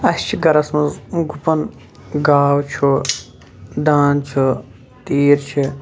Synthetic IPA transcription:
ɐst͡ʃʰiɡɐɾɐsmɐzɡupɐn | ɡaːwt͡ʃʰu | d̪aːnt͡ʃʰu | t̪iːɾt͡ʃʰi

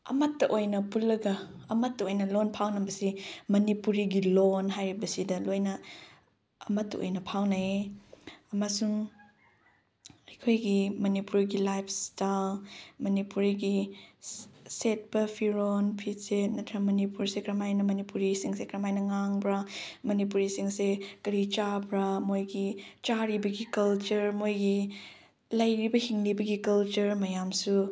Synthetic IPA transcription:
ɐ̰mɐtːɐʔojnɐpulːɐɡɐːmɐtːɐojnɐlonpʰawnɐbɐsimɐnipuɾiɡilonɦajɾibɐsidɐlojnɐ | ɐmɐtːɐ̰o̰jnɐpʰawna | ɐmasuŋ | ɐjkʰojɡimɐnipuɾiɡilajpʰstalmɐnipuɾiɡi | set̚bɐpʰiɾonpʰiset̚mɐtʰɾɐmɐnipuɾsekɾɐmajnɐmɐnipuɾisiŋsekɾɐmajnɐŋaŋbɾɐmɐnip̬uɾisiŋsekɐɾit͡ʃabɾɐmojɡit͡ʃaɾibɐɡikɐlt͡ʃɐɾmojɡi | lɐjɾibɐhiŋlibɐɡikɐlt͡ʃɐɾmɐjamsu

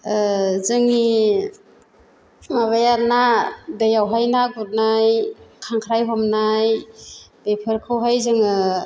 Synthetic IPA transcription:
zɯŋi | maβajaɾnadejawɦajnaɡut̚najkʰaŋkʰɾajɦɔmnaj | b̥epʰɯɾkʰɯwɦajzɯŋɯ

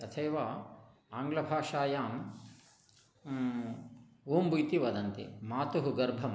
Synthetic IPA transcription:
ɐt̪ʰeːʋaː | aːŋɡlɐbʱaːʂaːjaːm | uːmbujt̪iʋɐd̪ɐnt̪ḭmaːt̪uɦuɡɐɾbʱɐm

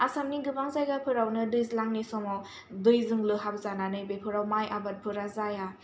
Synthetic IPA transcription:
asamniɡɯbaŋzajɡapʰɯɾawnɯdɯjzlaŋnesɔmaw | dɯjzɯŋlɯɦabzananɯjbepʰɯɾawmajʔabat̚pʰɯɾazaja

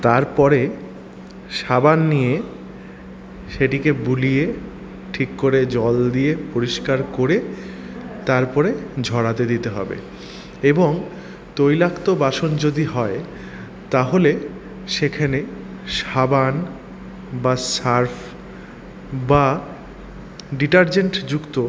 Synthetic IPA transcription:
t̪aɾpɔɾe | ʃabanːije | ʃeʈikebulije | ʈʰikːoɾed͡ʑɔld̪ijepoɾiʃkaɾkoɾe | t̪aɾpɔɾed͡ʑʱɔɽat̪ed̪it̪eɦɔ̰bḛ | eboŋ | t̪ojlakt̪obaʃond͡ʑod̪iɦɔe | t̪aɦole | ʃekʰane | ʃaban | basaɾfʰ | ba | ɖiʈaɾd͡ʑeɳʈd͡ʑukt̪o

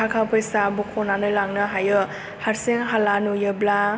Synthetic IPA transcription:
akʰapʰɯjsabɔkʰɔnanɯlaŋnɯɦajɯ | haɾseŋɦalanujɯbla

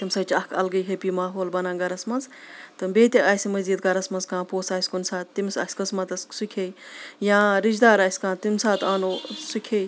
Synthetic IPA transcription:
t̪imsɐt͡ʃʰɐkʰɐ̰lɡɐjɦepimaːɦoːlbɐnãːɡɐɾɐsmɐnzt̪ɨbeːt̪ʲiʔaːsimɐziːd̪̚ɡɐɾɐsmɐnzkãːpoːsaːsʲkunsaːt̪ːimsa̰ːsʲkɐsmɐt̪ɐsksukʲʰejjãːɾid͡ʒd̪aːɾaːsʲkãːt̪imsaːt̪aːnoːsukʲʰej

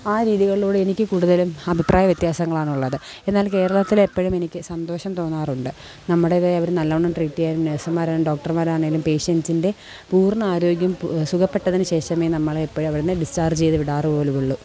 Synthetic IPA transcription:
aːɾiːðiɣɐɭioːɽɨe̞nikʲːɨkuːɽuðɐlumɐbʱiprʔaːjɐʋjet̪jaːsɐŋːɐɭaːɳuɭːɐðɨ | e̞nːaːlke̞ːɾɐɭɐt̪ːilepːɐɻume̞nikʲːɨsɐnd̪o̞ːɕɐmt̪o̞ːnːaːruɳɖɨ | nɐmːuɽeiðeɐʋɐɾunɐlːɐʋuɳːɐmʈriːʈːijaːlumneːsɐmːaːɾaːɭumɖo̞ːk̚ʈɐrmaːɾaːɳeŋɡilumpe̞ːʂɐnsinde̞ | puːrnɐaːɾo̞ːɡjɐmsukɐpːe̞ʈːɐðinɨɕe̞ːʂɐmeːnɐmːɐɭepːɐɻumɐʋiɽenːɨɖist͡ɕaːrd͡ʑt͡ɕe̞jðɨʋiɽaːrɨpoːluʋuɭːu

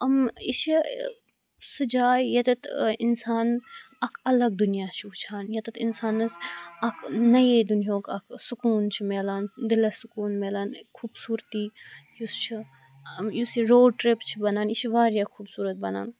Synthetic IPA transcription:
ɐmiʃi | sɨd͡ʒaːjjɐt̪ɐt̪ɪnsaːn | ɐkʰɐlɐɡd̪ʊnijaːt͡ʃʰiɦut͡ʃʰaːnjɐt̪ɐt̪ʰɪnsaːnɐsɐkʰnɐjed̪ʊnjõːkɐkʰsʊkuːnt͡ʃʰimeːlaːnd̪ɪlɐsʊkuːnmeːlaːnkʰuːbsuːɾt̪iːjust͡ʃʰi | mjusiɾoːɖ̚ʈɾipt͡ʃʰibɐnaːniʃiʋaːɾjakʰuːbsuːɾət̪̚bɐna̰ːn

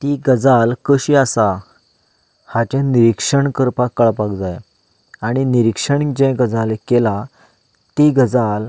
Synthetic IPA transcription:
t̪iɡəd͡zalkəɕiasa | hat͡ɕɛ̃niɾikʂəɳkəɾpakːəɭpakd͡zaj | aɽ̃iniɾikʂəɳikd͡ʑɛ̃ɡəd͡zalekela | t̪iɡəd͡zal

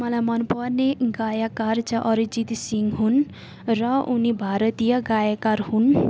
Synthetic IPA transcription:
mʌlajmʌnpʌrneɡajakart͡sʌʔʌɾid͡zit̪siŋɦun | rʌunibʱaɾʌt̪ijʌɡajakaɾɦun

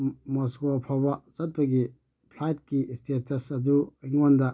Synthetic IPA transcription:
mɔskoɐpʰawbɐt͡ʃɐt̚pɐɡi | pʰlajt̚kistetɐsɐduɐŋɔndɐ

